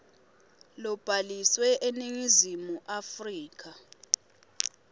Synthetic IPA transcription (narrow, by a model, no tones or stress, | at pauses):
lɔb̥ʱaliswɛʔeniŋizimuʔafriːkʰa